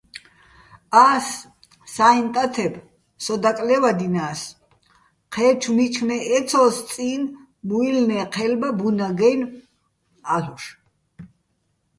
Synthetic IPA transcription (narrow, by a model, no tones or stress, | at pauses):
aːsː | aint̪ʼat̪ʰɛb | sɔd̪akʼlɛvad̪inaːs | qʰɛt͡ʃʰumit͡ʃʰnɛʔːt̪sʰɔssʼiːn | muilnɛqʰɛlbabunaɡɛjn | aɬuʃ